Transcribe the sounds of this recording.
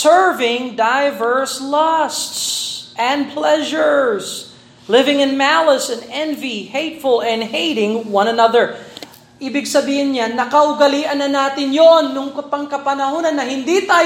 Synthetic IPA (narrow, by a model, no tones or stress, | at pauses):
sɛɹvɪ̃ŋd̪ajvɛɹslɐst̪sʔɛ̃nd̪pʰlɛʒəɹs | lɪvɪ̃ŋɪ̃nmæləsɛ̃nɛ̃nvihejt̪fʊlɛ̃nd̪heɪɾɪ̃ŋwɐ̃nɐnɐðə˞ | ʔiːbɪɡsɐbiːhɪnɲanɐkɐʔʊɡɐliːʔɐnːɐnaːt̪ɪnjonːʊŋkɐpɐŋkɐpɐnɐhonɐnːɐhɪnd̪it̪aː